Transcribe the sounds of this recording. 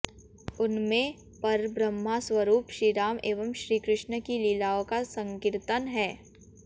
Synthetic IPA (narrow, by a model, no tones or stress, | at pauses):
ʊnmẽ | pɐɾbɾəmːaswəɾuːpʃɾiːɾaːmʔeːʋəmʃɾiːkɾɪʃnəkiliːlaːõkasə̃ŋkɪɾt̪ənɦɛː